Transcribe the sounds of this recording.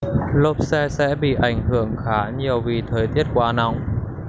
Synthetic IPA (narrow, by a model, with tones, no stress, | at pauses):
lo˨˥˩p̚sɛ˧sɛ̰˧˥ɓḭ˧˨ʔa˨˧˩jŋ̟hɨ˧˩əŋxaː˨˦ɲi˨˩əwvi˨˩t̪ʰəː˨˩jt̪i˦˥ət̚kwaː˧na˧wŋ͡m